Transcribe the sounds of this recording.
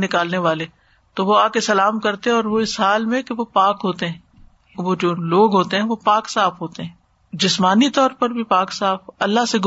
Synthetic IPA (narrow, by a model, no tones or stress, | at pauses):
nɪkaːlneʋaːle | t̪oʋoaːkesɐlaːmkɐɾt̪eɦɛ̃ɔːɾʋoɪsɦaːlmẽkeʋopaːkɦoːt̪eɦɛ̃ː | ʋod͡ʒoːloːɡɦoːt̪eɦɛ̃ʋopaːksaːfɦoːt̪eɦɛ̃ː | d͡ʒɪsmaːnit̪ɔːɾpɐɾbʱipaːksaːfɐlːaseɡ